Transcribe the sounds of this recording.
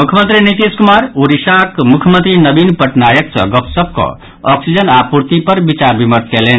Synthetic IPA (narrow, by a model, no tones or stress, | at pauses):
mukʰəmənt̪ɾinit̪iskumaɾuɾiʃakmukʰjmənt̪ɾinəbinpəʈnajəksʌ̰̃ɡəpsəb̚kɔ̰̃ | ɔksid͡ʒənapuɾt̪ipəɾbit͡ʃaɾbiməɾt̪kelen